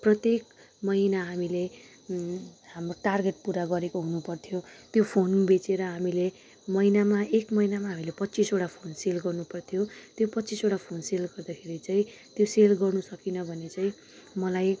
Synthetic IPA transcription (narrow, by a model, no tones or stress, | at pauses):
prʌt̪jek | mʌinaɦamile | hamroʈarɡeʈ̚puɾaɡʌɾekoɦunupʌrt̪ʰijot̪jopʰonbet͡seɾʌɦamile | mʌinamaekmʌinamaɦamilepʌtːt͡sisoɽapʰonselɡʌrnupʌrt̪ʰjot̪jopʌt̪ːt͡sisoɽapʰonselɡʌrd̪akʰeɾit͡saĩt̪joselɡʌrnusʌkinʌbʱʌnet͡saĩ | mʌlaj